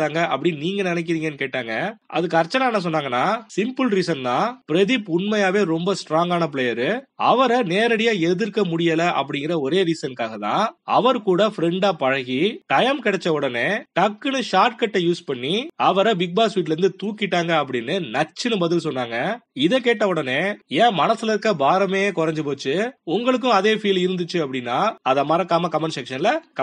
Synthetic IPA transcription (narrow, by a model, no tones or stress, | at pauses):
aːŋɡɐʔɐpːɐɽɪniːŋɡɐnɪnɛk̬ːɪɾiːŋɡɐnːɯkeːʈːaːŋɡɐʔɐ̰ðɯk̬ːɯɐɾt͡ʃːɐnaːnɐs̬ɔnːaːŋɡɐnːaːsɪmpɯlɾiːsɐnt̪ãːpɪɾɛðɪpʊnmɐjaːʋeːɾɔmbɐsʈɾaːŋɡaːnɐp̬ɪɭeːjɐɾɯɐ̰ʋɐɾɐneːɾɐɽɪjaːɛðɯɾkːɐmʊɽɪjɐlɐʔɐ̰p̬ːɐɽɪŋɡɪɾɐɔɾeːɾiːsɐnkaːɣɐt̪ã̰ːɐʋɐɾkuːɽɐfɪɾɛɳɖaːpɐɻɐɣiʈɐjɐmkɪɽɛt͡ʃːɐɔɽɐneːʈɐkːɯnɯʂaːɾʈkɐʈːɐjuːspɐɳːiɐʋɐɾɐbɪk̚baːsʋiːʈ̬lɐɾɯnd̪ɯt̪uːkːɪʈːaːŋɡɐɐp̬ːɐɽɪnːɯnɐt͡ʃːɪnɯbɐðɪlsɔnːaːŋɡɐɪðɛkeːʈːɐʊɽɐneːjẽːmɐnɐsɯlɐɾkːɐbaːɾɐmeːjeːkɔɾɐɲd͡ʒɯpoːt͡ʃːɯʊŋɡɐɭɯk̬ːʊ̃ɐðeːfiːlɪɾɯnd̪ɯt͡ʃːɯɐpːɐɽɪnːaːɐðɐmɐɾɐkːaːmɐkɐmɐnsɛkʂɐnlɐkɐ